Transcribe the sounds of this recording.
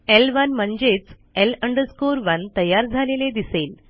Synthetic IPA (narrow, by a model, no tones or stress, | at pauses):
elʋənm̤əɳd͡ʑet͡s | eləɳɖəskoɾʋənt̪əjaɾd͡zʱaleled̪isel